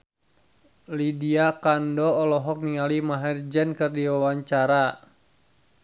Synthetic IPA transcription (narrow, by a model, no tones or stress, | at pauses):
lidiakandɔːlɔɦɔk̚niŋalimaɦɛrd͡ʒɛnkɨrdiwawaɲt͡ʃaɾa